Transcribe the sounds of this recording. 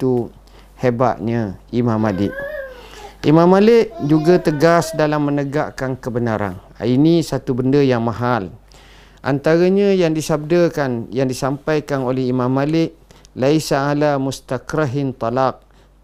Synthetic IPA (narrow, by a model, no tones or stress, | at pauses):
t̪u | heba̰ʔɲaimamalɪ̰ʔ̚ | ʔḭmãmalɪʔ̚d͡ʒuɡat̪əɡasdalamːənəɡaʔkankəbənaɾa̰n | inisat̪ubəndəjaŋmaɦal | ʔa̰nt̪aɾəɲəjaŋdisab̚dəkanjaŋdisampajkanolɛhimãmːalɪʔ̚laisaalamust̪akɾaɦɪnt̪ɑlaq̚